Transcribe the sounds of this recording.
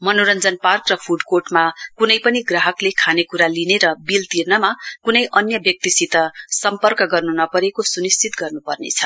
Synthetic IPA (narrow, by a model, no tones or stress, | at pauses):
mʌnoɾʌnd͡zʌnparkrʌpʰuɖkoʈmakunʌjpʌniɡraɦʌklekʰanekuɾalineɾʌbilt̪irnʌmakunʌjʔʌnjʌbjʌk̚t̪isit̪ʌsʌmpʌrkʌɡʌrnunʌpʌɾekosunist͡sit̪ɡʌrnupʌrnḛt͡sʰʌ